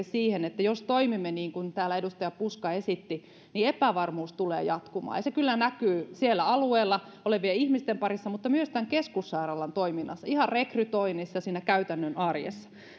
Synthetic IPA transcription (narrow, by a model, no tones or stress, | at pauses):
siːhenet̪ːæjost̪oimimːeniːŋkunt̪æːlæedust̪ɑjɑpuskɑesit̪ːi | niepæʋɑrmuːst̪ulḛːjɑt̪kumɑ̰ːjɑsekylːænækyːsielːæɑlueːlːɑ | oleʋʋieihmist̪empɑrisːɑmut̪ːɑmyøst̪æŋkeskusːɑirɑlːɑnt̪oiminːɑsːɑihɑrrekryt̪oinisːɑsiːnækæyt̪ænːønʔɑrjḛsːɑ̥